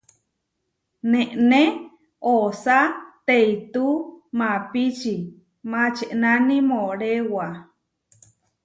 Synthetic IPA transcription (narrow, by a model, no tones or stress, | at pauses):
nẽʔne | osat̪eit̪umãpit͡ʃi | mãt͡ʃeʔnanĩmoɾewa